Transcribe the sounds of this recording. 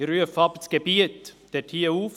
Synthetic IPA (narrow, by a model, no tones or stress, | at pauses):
ɾyəfɑbt͡sɡ̥ebiət̪d̪̥ɛtʰiːəuːf